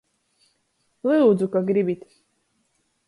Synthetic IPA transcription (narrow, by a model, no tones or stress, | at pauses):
lɨud͡zukaɡɾibit̪